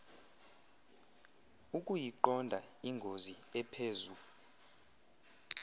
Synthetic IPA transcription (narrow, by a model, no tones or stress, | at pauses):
ukʼujiǃɔndʱaiŋɡʱoziɛpʰeːzu